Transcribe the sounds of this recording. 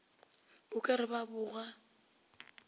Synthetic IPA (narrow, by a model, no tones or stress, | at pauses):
bʊkʼaɾɪbabʊːɣa